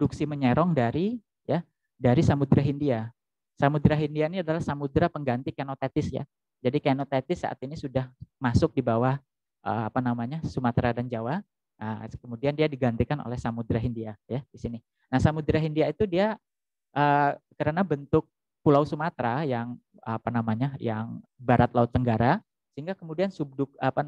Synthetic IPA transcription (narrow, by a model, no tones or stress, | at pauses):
duksiməɲɛɾɔŋdaɾi | ja | daɾisamud̪ɾaɦindia | samud̪ɾaɦindiainiadalahsamud̪ɾapəŋɡant̪ikenot̪at̪ɪsja̰ | d͡ʒadikanot̪et̪ɪsa̰ʔa̰t̪inisudahmasʊk̚dibawah | ʔə̰a̰panamaɲasumat̪ɾadand͡ʒawa | ʔəkəmudiandiadiɡant̪ikano̰lɛhsamud̪ɾaɦindiajad̥isinɪ | nahsamud̪ɾaɦindiait̪udia | ʔəkəɾənabənt̪ʊk̚ | pulawsumat̪ɾajaŋ | apanamaɲaja̰ŋbaɾat̪laʊt̪ːəŋɡaɾa | səɦiŋɡakəmudiansub̚dʊk̚apa